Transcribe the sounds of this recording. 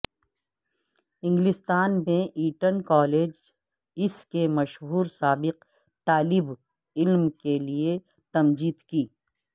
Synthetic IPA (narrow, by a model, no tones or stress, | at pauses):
ɪ̃ŋɡlɪst̪aːnmẽʔiːʈənkɔːleːd͡ʒ | ɪskemɐʃɦuːɾsaːbɪq | t̪aːlɪb | ɪlmkelie | t̪ɐmd͡ʒiːd̪kiː